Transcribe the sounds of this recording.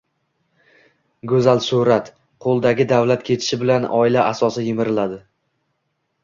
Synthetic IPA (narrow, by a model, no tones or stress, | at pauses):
ɡɵzalsʊɾat̪ | qʰolˠd̪aɡʲɪd̪avlat̪kʲʰe̞t̪ʰɪ̥ʃɪbɪlanɒɪlaʔasɒsɪjɪmɪɾɪlad̪ɪ